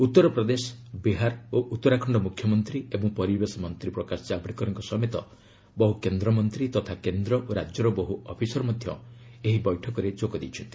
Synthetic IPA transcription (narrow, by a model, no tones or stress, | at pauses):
ut̪ːɔɾɔpɾɔd̪esɔ̥biɦaɾoʔut̪ːɔɾakʰɔɳɖɔmukʰːjɔmɔnt̪ɾiebɔŋpɔɾibesɔmɔnt̪ɾipɾɔkasɔd͡ʒabɽikɔɾɔŋkɔsɔmet̪ɔ | bɔɦukend̪ɾɔmɔnt̪ɾit̪ɔt̪ʰakend̪ɾɔʔoɾad͡ʒjɔɾɔbɔɦuɔpʰisɔɾɔmɔd̪ʱjɔeɦibɔjʈʰɔkɔɾed͡ʒoɡɔd̪ejt͡ʃʰɔnt̪i̥